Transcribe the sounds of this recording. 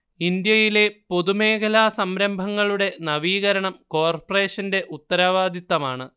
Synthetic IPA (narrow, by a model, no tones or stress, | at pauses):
ind̪jɐjile̞po̞ðume̞ːkʰɐlaːsɐmɾɐmbʱɐŋːɐɭuɽe̞nɐʋiːɣɐɾɐɳɐmko̞ːrpɐre̞ːʂɐnde̞ʔut̪ːɐɾaːʋaːd̪it̪ːɐmaːɳɨ